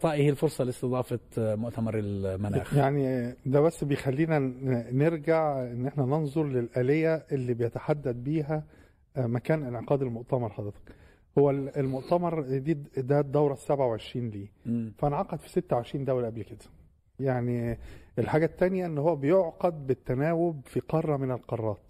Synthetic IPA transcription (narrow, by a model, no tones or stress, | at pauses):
t̪ˤɑːʔihilfoɾsˤɑlest̪ɨd̪ˤɑːfɑmoʔt̪æmɑɾˤelmænæ̰ːxjaʕnid̪æbæsːbejexælːiːnæneɾɡaʕʔenːʔeħnænonzˤoɾˤlelʔælejːæʔelːiːbejæt̪aħad̪ːæd̪̚biːɦæ | mækæːnʔenʕeqɑːd̪elmoʔt̪æmɑɾˤħɑd̪ˤɾet̪ɑ̥k | howːælelmoʔt̪æmɑɾˤd̪iːd̪æd̪ɑwɾˤɑsːæbʕawʕeʃɾiːnliːfænʕɑqɑd̪fi̥set̪ːæwʕeʃɾiːnd̪æwlʔæblked̪æ̥ | jaʕnielħaːɡæt̪ːænjæʔenːhowːæbejoʕqɑd̪̚bet̪ːænæːwobfiqɑrˤːɑmenelqɑrˤːɑːt̪